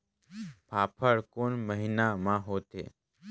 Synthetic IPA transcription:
pʰaːpʰəɽkonməɦinamãɦot̪ḛː

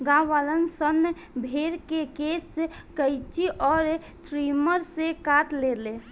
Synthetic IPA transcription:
ɡãʋalənsən | bʱeɾkekeskəɪt͡ʃiʔɔːɾ | t̪ɾiməɾsekat̪lele

